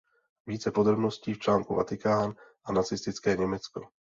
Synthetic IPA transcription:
viːt͡sɛpo̞d̪ɾo̞bno̞sciːft͡ʃlaːŋkuva̰t̪ɪkaːnʔanat͡sɪst̪ɪt͡skɛːɲɛmɛt͡sko̞

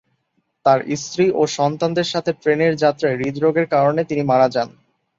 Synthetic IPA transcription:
t̪aɾḭst̪ɾiʔoʃɔnt̪and̪eɾʃat̪ʰepɾeneɾd͡ʑat̪ːɾaeɾid̪ɾoɡeɾkaɾonet̪inimaɽad͡ʑan

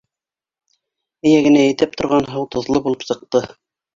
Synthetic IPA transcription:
ɘ̆jæɡɘ̆næjɘ̆t̪ɘp̚t̪ŏɾʁɑnɦɤwt̪ŏðlˠɤbulˠɤpsɤ̆q̚t̪ɤ

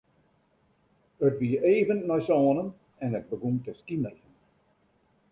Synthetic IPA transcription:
ətʋiəeːvənːɔjsɔːnən | ɛnət̚bəɡumtəskinəxən

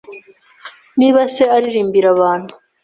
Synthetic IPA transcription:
niːβase̞aɾiɾiːmbiɾaβaːn̥hu

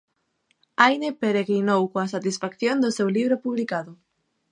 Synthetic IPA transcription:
ajnepeɾeɣɾinowkoasat̪isfakθjond̪ʊsewliβɾopuβlikaðʊ

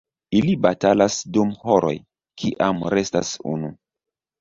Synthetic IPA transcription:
ilibatalasdumhoɾo̞̰j | kʰiʔamɾe̞sta̰sṵnu

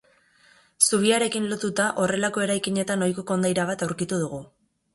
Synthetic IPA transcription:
suβ̞iaɾe̞kinlo̞t̪ut̪aʔo̞re̞lako̞e̞ɾajkiɲe̞t̪ano̞jkokond̪ajɾaβ̞at̪awɾkit̪uð̞uɣ̞u

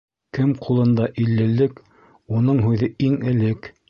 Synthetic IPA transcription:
kɘmqʰulˠɤ̆nd̪ɑʔilːɘ̆lːɘk | unɤɴɦʉðɘiŋɘ̆lɘk

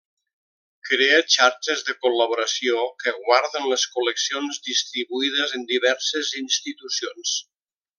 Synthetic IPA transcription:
kɾeət͡ʃaɾt͡ʃəzðəkuləβoɾəsiokəɣwaɾðənləskuləksionzðist̪ɾiβuiðəzənd̪iβɛɾsəzinst̪it̪usions

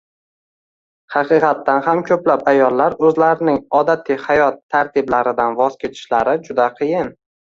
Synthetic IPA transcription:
hɑqʰɨqʰɑt̪ːanhamkʲʰɵplapajɒlːaɾɵzlaɾɪnɪŋɒd̪at̪ʰihajɒt̪ʰːaɾt̪ʰɪblaɾɪd̪anvɒzkʲe̞t̪ʰɪ̥ʃlaɾɪd͡ʒʊd̪aqʰɨjɪn

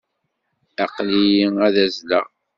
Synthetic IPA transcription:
æqlijiæðæzlæ

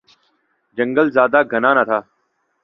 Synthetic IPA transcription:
d͡ʒə̃ŋɡəlzaːd̪aːɡʱənaːnat̪ʰaː

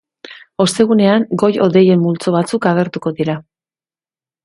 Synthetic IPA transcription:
o̞st̪e̞ɣ̞une̞aŋɡo̞jo̞ðe̞je̞mːult͡so̞β̞at͡sukaɣe̞ɾt̪uko̞ðiɾa

